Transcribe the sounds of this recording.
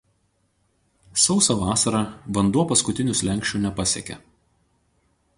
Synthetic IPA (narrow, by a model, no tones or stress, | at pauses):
sɒʊsɐʋɑːsɐɾɑʋɐnd̪uɔpɐskʊt̪ʲɪnʲʊsʲlʲɛŋʲkʃʲt͡ʃʲunʲɛpɐsʲɛ̰kʲɛ̰